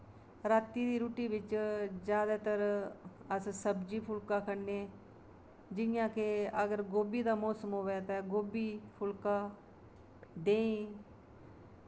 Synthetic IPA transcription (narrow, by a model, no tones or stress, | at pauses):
ɾaːt̪ːiːd̪iːɾuːʈiːbɪt͡ʃd͡ʒjaːd̪aːt̪əɾəssəbd͡ʒiːpʰʊlkaːkəɾneː | d͡ʒɪnɪjãːkeəɡəɾɡoːbiːd̪aːmɔːsəmɦoːʋɛːt̪ãːɡoːbiːpʰʊlkaː | d̪eːĩː